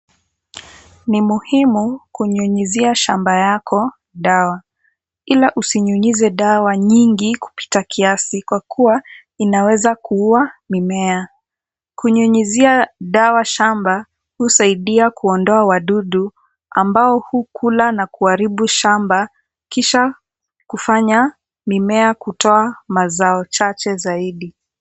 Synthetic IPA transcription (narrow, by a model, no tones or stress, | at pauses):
nimuhimukuɲuɲiziaʃambajakʰɔ | ɗawa | ilaʔusiɲuɲizɛɗawaɲiŋɡiku̥pi̥takʰiasikwakuwa | inawɛzakuuamimɛa | kuɲuɲiziaɗawaʃamba | husaiɗiakuɔndɔawaɗuɗu | ambaɔhukʰulanakuaɾiɓuʃamba | kiʃa | kufaɲa | mimɛakutɔamazaɔt͡ʃat͡ʃɛzaiɗi